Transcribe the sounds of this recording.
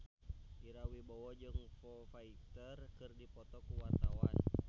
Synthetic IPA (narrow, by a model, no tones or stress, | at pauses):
ʔiɾawibɔwɔd͡ʒɨŋfɔfait̪ərkɨrdipɔt̪ɔkuwart̪awa̰n